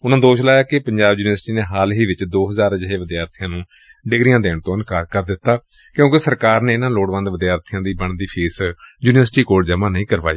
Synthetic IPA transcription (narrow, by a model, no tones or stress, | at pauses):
ʊnãːd̪oːʃlaːjaːkɪpəɲd͡ʒaːbjuːnɪʋəɾsʈiːneːɦaːlɦiːʋɪt͡ʃd̪oːɦəzaːɾəd͡ʒɦeːʋəd̪ijaːɾt̪ʰijãːnũː | ɖɪɡɾijãːd̪eːɳt̪õːənkaːɾkəɾd̪ɪt̪ːaː | kjõːkesəɾkaːɾnẽːɪnãːloːɽʋə̃nd̪ʋəd̪jaːɾt̪ʰijãːd̪iːbəɳd̪iːpʰiːsjuːnɪʋəɾsʈiːkoːd͡ʒəmãːnəĩːkəɾʋa̰ːḭː